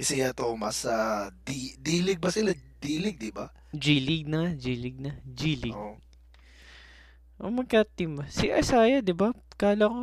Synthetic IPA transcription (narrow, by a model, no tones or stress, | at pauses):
kɐsɪɐt̪oːmɐsad̪id̪iːlɪɡ̚bɐsɪlad̪iːlɪɡ̚d̪ɪba | d͡ʒiːlɪɡ̚nɐd͡ʒiːlɪɡ̚nɐd͡ʒiːlɪɡ | ʔomɐɡ̚kat̪ɪmbɐsiʔɐ̰saːjɐd̪ɪbakaːlɐko